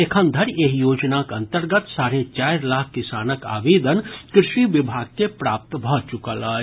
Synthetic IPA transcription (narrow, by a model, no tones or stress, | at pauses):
ekʰə̃nd̪ʱəɾeːɦjoːd͡ʒnakɐ̃nt̪əɾɡət̪saːɾet͡ʃaːɪɾlaːkʰkɪsaːnəka̰ːʋeːd̪ənkɾɪʃʋiʋɪbʱaːɡ̚kepɾaːp̚t̪bʱɔt͡ʃʊkəlaː